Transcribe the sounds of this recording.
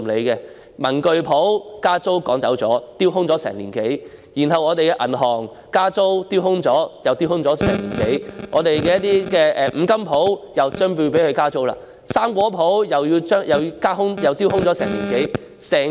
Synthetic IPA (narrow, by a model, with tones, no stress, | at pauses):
le˨˧jkɛ˧ | mɐ˨˩nkɵ˧ɥpʰo˨˥wkaː˥t͡so˥wkɔː˨˥ŋt͡sɐ˨˥wt͡sɔ̰ː˨˥t̪iː˥wɦʊ˥ŋt͡sɔː˨˥sɛ̰ː˨˩ŋlḭː˨˩nke˨˥j | jiː˨˩nɦɐ˨wɔː˨˧t̪e˨jkɛː˧ʔɐ̰˨˩nɦɔː˨˩ŋ | kaː˥t͡so˥wt̪iː˥wɦʊ˥ŋt͡sɔː˨˥jɐ˨wt̪iː˥whʊ˥ŋt͡sɔː˨˥sɛ̰ː˨˩ŋliː˨˩nke˨˥jŋʔɔː˨˧t̪e˨jkɛː˧jɐ˥t̪̚iː˥kɛː˧ʔɛː˨˧m̩˨˧˥kɐ˥mpʰo˨˥wjɐ˨wt͡ʃœː˥ŋpu˧pe˨˥jhɵ˧kaː˥t͡so˥wla̰ː˧˥ | saː˥mkʷɔː˨˥pʰo˨˥wjɐ˨wjiː˧wt͡ʃœː˥ŋjɐ˨wkaː˥ɦʊ˥ŋjɐ˨wt̪iː˥whʊ˥ŋt͡sɔ˨˥sɛː˨˩ŋliː˨˩nke˨˥j | sɛː˨˩